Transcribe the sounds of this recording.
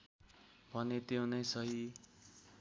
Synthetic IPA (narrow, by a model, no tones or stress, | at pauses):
bʱʌnet̪ew̃nʌjsʌɦi